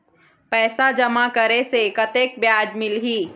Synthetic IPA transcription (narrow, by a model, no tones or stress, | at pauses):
pɛːsad͡ʒɐmakɐɾesekət̪eːk̚bjaːd͡ʒmɪlɦiː